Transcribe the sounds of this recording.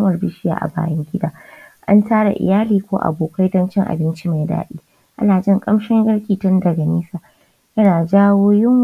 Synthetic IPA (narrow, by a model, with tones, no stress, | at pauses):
mɐ˨rbɪ˦ʃɪ˦ja̰ː˨ʔa̰˨ba̰ː˨jɐ˦ŋɡʲɪ˦daː˦˨ʔa̰˦ntaː˦ɽa̰˨ʔɪ̰˨jaː˦liː˨kʷoː˦ʔa̰˨boː˨ka˦jdɐ˦nt͡ʃɪ˦ŋʔa̰˨bɪ˦nt͡ʃi˦ma˨jda̰ː˦ɗiː˦ | ʔa̰˦naː˨d͡ʒɪ˦ŋkʼɐ˦mʃɪ˦ŋɡɐ˦ɽkʲiː˨tɐ˦ndɐ˨ɡɐ˨niː˦saː˨ | jɐ˦naː˨d͡ʒaː˦woː˦jɪ˦ŋ